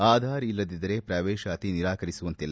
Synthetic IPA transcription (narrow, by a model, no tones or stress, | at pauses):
aːd̪ʱaːɾilːɐd̪id̪ɐɾe̞pɾɐʋeːʃɐɐt̪iniɾaːkɐɾisuʋɐnt̪ilː